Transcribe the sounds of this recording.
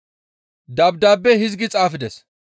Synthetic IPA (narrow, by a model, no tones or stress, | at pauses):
d̪ɐbd̪aːbːɛhɪzɡɪt͡sʼaːfɪd̪ɛs